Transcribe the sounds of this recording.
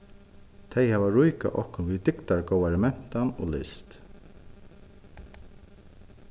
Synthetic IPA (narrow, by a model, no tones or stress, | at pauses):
t̪ʰɛjhaːvaɹʊjka̰ʔɔhkʊnviðt̪ɪkt̪aɹkowʋɛɾmɛn̥t̪ano̰ːlɪ̰st̪